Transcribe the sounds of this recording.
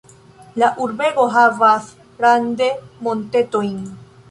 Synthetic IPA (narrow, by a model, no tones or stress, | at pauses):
laʔuɾbe̞ɡo̞ɦavas | ɡɾande̞mo̞nte̞to̞jn